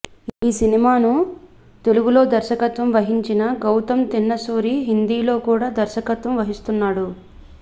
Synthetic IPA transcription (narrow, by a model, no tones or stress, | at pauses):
iːsinimaːnu | t̪e̞luɡulo̞ːd̪ɐɾʃɐkɐt̪ʋɐmʋɐɦiɲt͡ʃinɐɡɐwt̪ɐmt̪inːɐsuːɾiɦind̪iːlo̞ːkuːɽaːd̪ɐɾʃɐkɐt̪ʋɐmʋɐɦist̪unːaːɽu